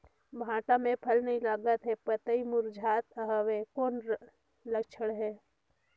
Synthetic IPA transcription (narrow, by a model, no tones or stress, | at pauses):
bʱãːʈamẽpʰəlnəɦĩlaːɡət̪ɦɛpət̪əimʊɾd͡ʒʱaːt̪əɦəʋekoːn | ləkt͡ʃʰəɽɦɛː